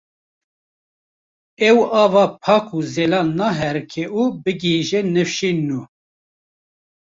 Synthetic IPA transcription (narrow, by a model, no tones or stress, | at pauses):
ɛwɑːvɑːpʰɑːkʰuːzɛlɑːnɑːɦɛɾkʰɛʔuːbɨɡiʒɛnɨfʃinːu